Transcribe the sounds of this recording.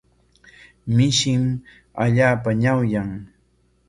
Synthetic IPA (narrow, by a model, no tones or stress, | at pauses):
mɪʃɪm | a̰ʎaːpaɲawjaŋ